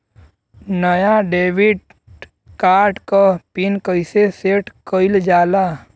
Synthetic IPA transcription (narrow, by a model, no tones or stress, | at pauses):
nəjaɖeːʋiɖ | kaːɾʈkapinkəɪseseːʈkəɪld͡ʒaːlaː